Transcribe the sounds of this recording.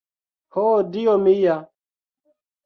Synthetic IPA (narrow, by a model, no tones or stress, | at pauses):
hoːdijomija